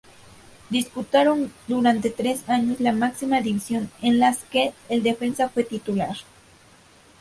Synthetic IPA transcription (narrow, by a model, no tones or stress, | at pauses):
d̪isput̪aɾo̞nd̪uɾant̪e̞t̪ɾe̞saɲo̞slamaksimaðiβisjo̞nenlaskeːld̪e̞fe̞nsafwe̞t̪it̪ulaɾ